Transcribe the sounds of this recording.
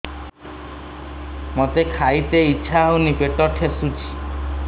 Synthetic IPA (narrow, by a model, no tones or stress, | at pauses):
mot̪ekʰajt̪eitːʃʰaɦonipeʈɔʈʰesut͡ʃʰi̥